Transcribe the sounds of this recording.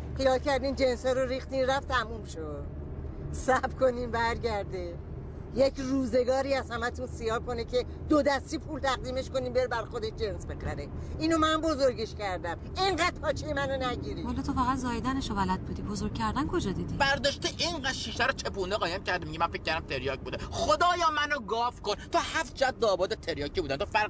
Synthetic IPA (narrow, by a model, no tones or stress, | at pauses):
χijɒːlcæɾd̪iːmd͡ʒenshɒːɾoɾiːxt̪iːnræft̪ʰæmuːmʃod̪ | sæbkʰo̞niːmbæɾɟæɾd̪e | jecʰruːze̞ɡɒːɾiːæzhæmæt̪ʰunsijɒːɾkʰo̞necʰe | d̪̥od̪æst̪ipʰult̪ʰæɣ̚d̪iːme̞ʃko̞niːmbeɾbæɾxod̪et̪̚d͡ʒe̞nsbe̞xæ̰ɾe | iːnomæmbozoɾɟeʃcæɾd̪æm | eŋɢæd̪̥̚pʰɒːt͡ʃʰejemænonæɟiːɾiɔlɔt̪ʰofæɣæt̪zɒːjed̪æneʃovælæd̪̚bud̪ibozoɾɡ̚ʲcʰːæɾd̪ænkʰod͡ʒɒd̪id̪ibæɾd̪ɒːʃt̪eʔiɴɢæd̪ʃiːʃt̪æɾot͡ʃʰepund̪eʁɒːjæmcʰæɾd̪emiɟimænfec̚ʰːæɾd̪æmt̪ʰeɾjɒːc̚buːd̪eχod̪ɒːjɒːmænoɡɒːfkont̪ʰɒːhæft̪̚d͡ʒæd̪̚ːɒːbɒːd̪et̪ʰeɾjɒːcʰːibuːd̪ænt̪ofæɾ